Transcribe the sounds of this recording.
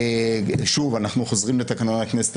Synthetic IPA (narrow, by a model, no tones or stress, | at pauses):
ʃuvanaχnuχozʁimlet̪akanonaknese̥t̪